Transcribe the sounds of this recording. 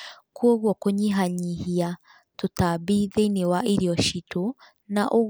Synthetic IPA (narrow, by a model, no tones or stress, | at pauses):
kuoɣwɔkoɲiɦaɲihia | totaβiðeinewaʔiɾiɔʃitʰo | naʔo